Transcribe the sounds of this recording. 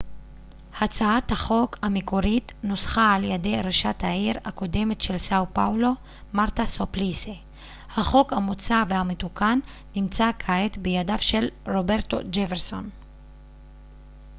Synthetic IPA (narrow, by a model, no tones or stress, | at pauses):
hat͡saat̪haχo̞khamekoʁit̪no̞sχaːljade̞jʁaʃathaiʁako̞de̞metʃelsawpawlo̞ | maʁt̪asoplise | haχo̞khamot͡savehametukanː | imt͡sakʰaet̪bejadavʃe̞lʁo̞beʁto̞̰d͡ʒefeʁso̞n